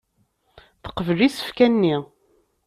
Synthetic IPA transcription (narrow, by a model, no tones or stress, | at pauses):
θə̥qːəvəlisə̥fkænːi